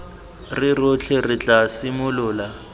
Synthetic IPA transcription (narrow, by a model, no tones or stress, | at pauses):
rɪrʊt͡ɬʰɛrɪt͡ɬʼasɪmʊlʊːla